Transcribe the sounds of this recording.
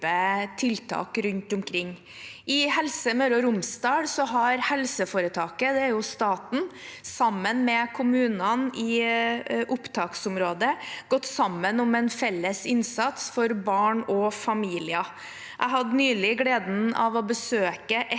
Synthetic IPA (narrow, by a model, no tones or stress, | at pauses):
ət̪ʰɪlt̪ʰɑ̰ːkɾʉnt̪ʊmkʰɾɪŋː | ɪhɛlsəmœɾɔɾʊmsd̪ɑːɽsɔɦɑɾhɛlsəfoːɾət̪ʰɑːkəd̪ɛæɾjʊst̪ɑːt̪n̩sɑmːənmɛkʰʊmʉːnɑnɪ | ʔʊpt̪ʰɑːksʊmɾoːd̪əɡɔt̪ːsɑmːənʊmɛnfɛlːəsɪnsɑt̪sfɔɾbɑːɳɔfɑmiːlɪɑ | ʔæ̰ɪɦɑd̪nyːlɪɡleːd̪n̩ɑ̰ʋɔbəsøːkəʔɛ